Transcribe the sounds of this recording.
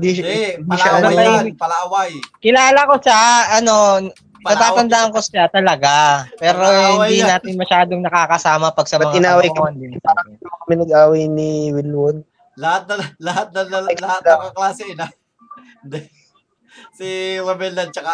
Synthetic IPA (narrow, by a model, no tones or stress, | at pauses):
d̪iɪnd̪iʃɐɐɐɐpɐlaːwajkɪlaːlɐko̞saɐno̞ | nɐt̪aːt̪ɐnd̪aʔɐŋko̞sat̪ɐlɐɡapɛːɾo̞hhɪnd̪inaːt̪ɪnmɐʃaːd̪oŋnɐkaːkɐsaːmɐpɐɡ̚sɐmbɐɐt̪ʔɪnaːwɐjkɐɐnd̪ɪnɪaɐŋɪt̪okɐmɪnɐɡʔaːwɐjniwɪlwon | lɐhat̪̚nɐlɐɦat̪̚nɐlɐlɐhaaɐklaːsɛna | d̪ | siɾɐbɛlɐd̪̚t͡ʃɐka